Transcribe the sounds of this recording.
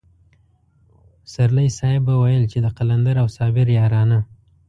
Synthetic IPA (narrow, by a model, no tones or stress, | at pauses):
saɾlajsɑɪbːawajəlt͡ʃed̪əqaland̪aɾawsɑbɪɾjɑɾɑna